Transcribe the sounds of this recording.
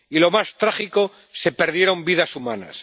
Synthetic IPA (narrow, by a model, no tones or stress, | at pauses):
ilo̞mast̪ɾaχiko̞ | se̞pe̞ɾðje̞ɾo̞mbiðasumana̰s